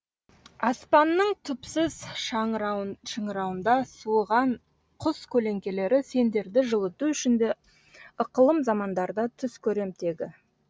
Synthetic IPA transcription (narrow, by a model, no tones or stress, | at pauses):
ɑspɑnːəɴt̪ʰʏpsɪz | ʃəɴəɾɑwənd̪ɑsuʁɑɴ | qʰʊskʲʰɵle̞ŋkʲe̞le̞ɾɪse̞nd̪e̞ɾd̪ɪʒəlˠət̪uʏʃɪnd̪e | əqəlˠəmzɑmɑnd̪ɑɾd̪ɑt̪ʰʏskʲʰɵɾe̞mt̪e̞ɡʲɪ